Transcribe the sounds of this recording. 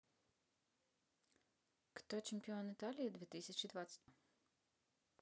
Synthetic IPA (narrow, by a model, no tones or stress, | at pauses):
kt̪ɔt͡ʃɪmʲpʲɪɔnɨt̪alʲijɐd̪vʲɛt̪ɨsʲɐt͡ɕid̪vat̪sə̥